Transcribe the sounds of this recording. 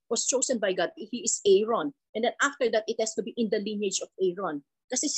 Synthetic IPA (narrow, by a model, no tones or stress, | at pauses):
wɔst͡ʃoːsɛnbajɡad̪̚hiɪsɛjɹɔ̃nʔɛ̃nd̪ɛ̃nʔaft̪əɹd̪at̪ɪt̪̚hɛst̪ubiʔɪ̃nd̪ɐlɪ̃njed͡ʒɔfɛɹɔ̃n | kɐsɛs